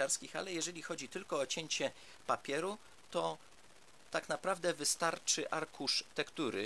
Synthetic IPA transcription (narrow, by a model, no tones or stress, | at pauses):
aɾskʲixa̰lɛjɛʐɛlʲixɔd͡ʑit̪ɘlkɔːt͡ɕeɲt͡ɕɛ | papʲjɛɾu | t̪ɔ | t̪aknapɾavd̪ɛvɘst̪aɾt͡ʂɘʔaɾkuʂt̪ɛkt̪uɾɘ